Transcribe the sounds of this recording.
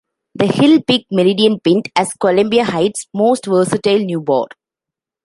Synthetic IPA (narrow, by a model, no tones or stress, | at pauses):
d̪əhɪlpɪɡ̚mɪɾiɖiə̃npɪ̃nʈɛskɔlə̃mbiahaɪʈsmoːsʈʋəːsɪʈelnjuːbɔ̰ːɖ